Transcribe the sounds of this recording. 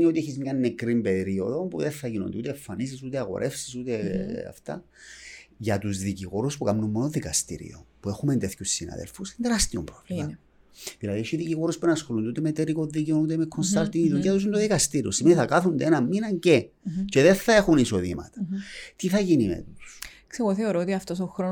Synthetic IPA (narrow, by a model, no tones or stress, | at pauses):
nio̞t̪ieçizmɲɐnːekɾimbe̞ɾio̞ðo̞puðeθɐʝino̰nd̪ut̪eefːɐnisisut̪eɐɣo̞̰ɾʔe̞fsi̥sut̪eɐ̰ft̪ɐ̰ | ʝɐt̪uzðiciɣo̞ɾuspukɐmnumːonoðikɐst̪ḭɾḭopue̞xument̪eθçusːinɐ̰ðḛlfusind̪eɾɐst̪iompɾovliɐ | ðilɐðiʃiðiciɣo̞ɾuspunɐsxo̞lund̪eut̪emet̪eɾikoðiceonut̪emekʰːonst̪ɐɾt̪iŋiðuciɐt̪us̬unt̪oðikɐst̪iɾiosimeniθɐkɐθund̪enɐmminɐɲce̞ | ce̞ðe̞θɐe̞xuniso̞ðimɐ̰t̪ɐ̥t̪iθɐʝinimḛt̪u̥s | kseɣoθeoɾoot̪iɐft̪osoxɾo